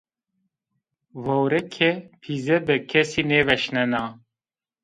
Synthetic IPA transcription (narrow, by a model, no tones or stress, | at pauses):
vɔwɾɛkʰɛpʰizɛbɨkʰɛsiːneːvɛʃnɛnaː